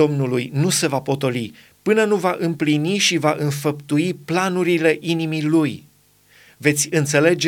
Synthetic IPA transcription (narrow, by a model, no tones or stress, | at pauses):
o̞mnulujnuse̞vapo̞t̪o̞li | pɨnənuvaʔɨmpliniʃivaʔɨnfəpt̪uiplanuɾile̞ʔinimiluj | ve̞t̪sʲɨnt̪se̞le̞d͡ʒe